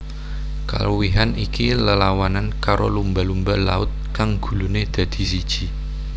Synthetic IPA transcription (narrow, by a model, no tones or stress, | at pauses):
ka̰luwiɦanikiləlawanankaɾo̰lumbalumbəla̰ʊt̪̚kaŋɡ̥ṳluned̪̥a̤d̪̥i̤s̬id̥ʒ̥i̤